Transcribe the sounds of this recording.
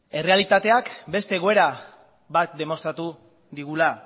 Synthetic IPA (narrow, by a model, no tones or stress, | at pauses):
e̞re̞alit̪at̪e̞akbe̞st̪e̞ːɣo̞e̞ɾa | βat̪̚d̪e̞mo̞st̪ɾat̪u | ðiɣula